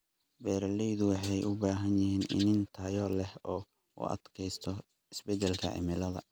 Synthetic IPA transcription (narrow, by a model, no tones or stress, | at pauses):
bɛːɾɐlɛjðʊwɑħɑjʔʊbaːɦɐnjɪhiːnʔɪ̰nɪnt̪ʰajɔlɛhɔː | ṵʔɐ̰d̪kʰɛjst̪ʰɔ | ɪsbɛd̪ɛlkʰɐ̰ʕɪ̰mɪlɐðɐ̰